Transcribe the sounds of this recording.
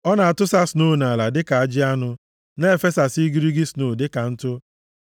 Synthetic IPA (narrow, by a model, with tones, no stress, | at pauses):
ɔ˦na˨a˨tʊ˦sa˦sno˦˨na˨la˨dɪ˦ka˨a˨d͡ʒɪ˦a˦nʊ˦ | n˦e˦˨fe˦sa˨si˦ɡi˦ɾi˦ɡi˦sno˨dɪ˦ka˨n̩˦tʊ˦